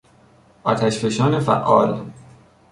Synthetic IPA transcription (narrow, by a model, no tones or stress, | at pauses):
ʔɒːt̪ʰæʃfeʃɒːnefæ̰ʔːɒ̰ːl